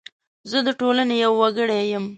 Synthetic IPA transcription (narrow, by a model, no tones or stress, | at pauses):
zəd̪əʈolanejawːaɡəɽejəm